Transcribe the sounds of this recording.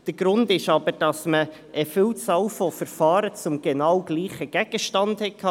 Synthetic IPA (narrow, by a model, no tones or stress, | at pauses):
d̥əɾɡɾʊndɪʃɑbəɾd̥ɑsmə | ʔəfɪlt͡sɑlfɔfəɾfɑːɾət͡sʊmɡ̥ɛnɑwɡliːχəɡ̥ɛɡ̥əʃtɑndhɛkʰɑ